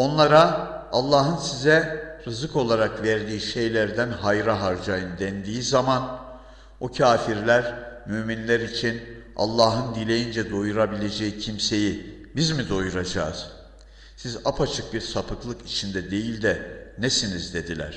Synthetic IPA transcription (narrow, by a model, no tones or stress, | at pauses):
o̞nlˠaɾaalˠːaːɦɯnsizɛɾɯzɯko̞lˠaɾakvɛɾd̪iːʃe̞jlʲæɾd̪ænɦajɾaɦaɾd͡ʒajɯnd̪ɛnd̪iːizaman | ocʰaːfiɾlʲæɾmyminlʲæɾit͡ʃʰina̰lˠːaːɦɯnd̪ilʲe̞jind͡ʒɛd̪o̞juɾabilʲe̞d͡ʒejicʰimse̞jibizmid̪o̞juɾad͡ʒaːz̥ | sizapʰat͡ʃʰɯk̚biɾsapʰɯklˠɯkit͡ʃʰind̪ɛd̪e̞jilʲd̪ɛnɛsinizd̪e̞d̪ilʲæ̰ɾ̥